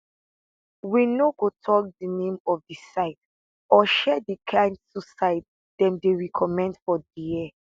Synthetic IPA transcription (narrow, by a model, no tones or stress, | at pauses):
winoɡotʰɔk̚dinẽmɔfdisaɪt | ɔʃɛdikʰãɪ̃ndsusaɪt̚ | dɛ̃mdeɹikʰɔmɛ̃ndfɔdiɛ